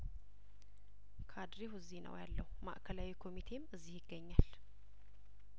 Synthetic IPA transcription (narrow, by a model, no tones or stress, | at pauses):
kʰad̪ɾeɦuɨzːihnə̰wja̰lːə̰huma̰ʔkʰəlawikʰo̞mit̪ʰe̞mɨzːihjɪɡːəɲːal